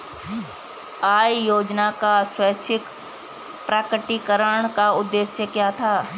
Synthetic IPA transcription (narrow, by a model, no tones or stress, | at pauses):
aːjjoːd͡ʒnakaswəːt͡ʃʰɪk | pɾaːkɾəʈikəɾəɽ̃kaʊd̪ːeːʃjəkjaːt̪ʰaː